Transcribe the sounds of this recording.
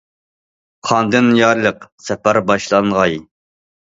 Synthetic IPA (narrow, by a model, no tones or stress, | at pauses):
χʰɑnd̪ɨnjɑɾlˠəqsɛpæɾbɑʃlˠɑŋʁɑj